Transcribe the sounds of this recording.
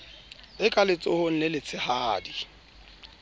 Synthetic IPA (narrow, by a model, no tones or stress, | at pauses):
ɪkʼalɪt͡sʼʊhʊn̩nɪlɪt͡sʰɪhaːdi